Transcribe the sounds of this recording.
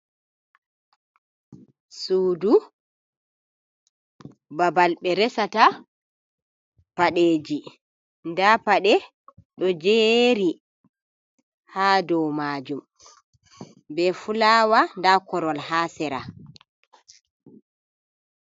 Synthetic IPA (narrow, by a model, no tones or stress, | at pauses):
suːdu | babalɓɛɾɛsata | paɗeːd͡ʒi | ndapaɗɛ | ɗɔd͡ʒeɾi | haːdɔwmaːd͡ʒum | bɛfulaːwandakɔɾɔlhaːsɛɾa